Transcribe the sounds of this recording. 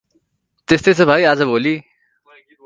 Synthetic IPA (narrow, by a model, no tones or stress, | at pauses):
t̪est̪eːsebʱaːiːaːzəboːliː